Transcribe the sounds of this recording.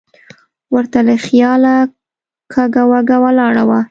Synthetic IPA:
wəɾt̪aləxjɑla | kʰaɡawaɡawalɑɽawa

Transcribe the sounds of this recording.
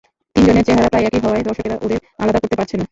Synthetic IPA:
t̪ind͡ʑoneɾt͡ɕeɦaɾapɾajɛkiɦɔoaed̪ɔɾʃokeɾaʔod̪eɾa̰lad̪akoɾt̪epaɾt͡ɕʰena

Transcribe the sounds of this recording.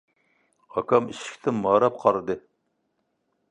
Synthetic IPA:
ɑkʰɑmiʃɪ̥kʲt̪ʰɪmmɑːɾɑp̚qʰɑɾɨd̪ɨ

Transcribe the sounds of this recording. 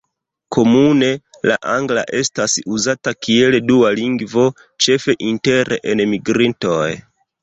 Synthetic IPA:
kʰo̞mune̞ | la̰ʔaŋɡla̰ʔe̞stasuzatakie̞ldualiŋɡvo̞ | t͡ʃe̞fe̞ʔinte̞ɾʔeʔenmiɡɾinto̞j

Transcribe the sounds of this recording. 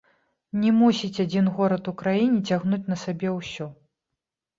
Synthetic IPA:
nʲɛmusʲit͡sʲad͡zʲinɣɔɾɐt̪ukɾajinʲit͡sʲaɣnut͡sʲnɐsabʲɛwsʲɔ

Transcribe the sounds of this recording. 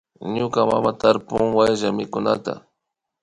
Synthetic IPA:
ɲʊkama̰mat̪aɾpʊŋwajʒamɪkʊna̰t̪a̰

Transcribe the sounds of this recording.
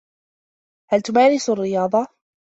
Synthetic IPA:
halt̪ʊmaːɾɪsarːɪjɑːðˤɑ

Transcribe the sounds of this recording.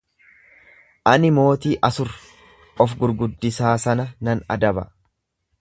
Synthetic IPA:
ʔɐnɪmo̞ːt̪iːʔɐsʊɾ | ʔɔfɡʊɾɡʊd̪ːɪsaːsɐnɐnɐnɐ̰d̪ɐbɐ

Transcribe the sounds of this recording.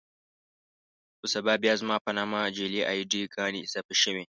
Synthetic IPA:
ʔʊsɐbaːbɪazmaːɸɐnaːmad͡ʒeːliʔajdiːɡaːnisɐɸiʃɪme

